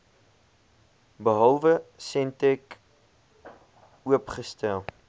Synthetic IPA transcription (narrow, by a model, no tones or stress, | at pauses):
bəɦɐlˠvəsɛntɛk | uəpχəstælˠ